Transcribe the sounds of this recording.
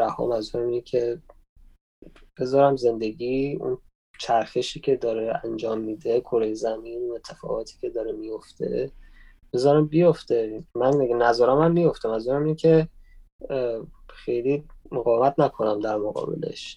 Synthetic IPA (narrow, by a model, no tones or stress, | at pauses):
ɾæhɒ̰ːmænzuɾæmincʲʰe̞ | b̥e̞zɒːɾæmze̞nd̪e̞ɡiːṵn | t͡ʃʰæɾxeʃiːcʲʰe̞d̪ɒːɾeænd͡ʒɒːmːiːd̪e̞kʰoɾejezæminune̞t̪ʰːefɒ̰ːɣɒːt̪ʰi̥ːcʲʰe̞d̪ɒːɾemijo̞ft̪e̞̰ | b̥ezɒːɾæmbijoft̪e̞mænɡnæzɒːɾæmæmːijo̞ft̪æmænzuːɾæmincʲʰe | xe̞jlimoɣɒːvemæt̪ʰnækʰo̞næmd̪æɾmoɣɒ̰ːbḛlḛʃ